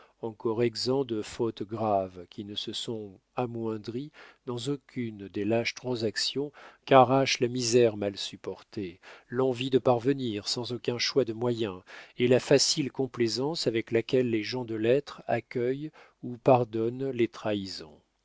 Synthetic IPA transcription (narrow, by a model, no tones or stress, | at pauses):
ɑ̃kɔʁɛɡzɑ̃d̪əfot̪ɡʁavkʲʰinəsəsɔ̃ | amwɛ̃d̪ʁid̪ɑ̃zokʲʰynd̪elaʃt̪χɑ̃zaksjɔ̃kaʁaʃlamizɛʁmalsypɔʁt̪elɑ̃vid̪əpaʁvəniʁsɑ̃zokʲɛ̃ʃwad̪əmwajɛ̃elafasilkɔ̃plezɑ̃savɛklakʲɛlːeʒɑ̃d̪əlɛt̪χakʲœj | upaʁd̪ɔnlet̪χaizɔ̰̃